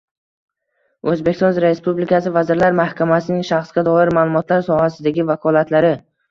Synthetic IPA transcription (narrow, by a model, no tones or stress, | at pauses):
ɵzbekʲst̪ɒnɾespublɪkʰasɪvazɪɾlaɾmahkʲʰamasɪnɪŋʃaχsɡʲad̪ɒɪɾmaːlˠʊmɒt̪laɾsɒhasɪd̪aɡʲɪvakʰɒlat̪laɾɪ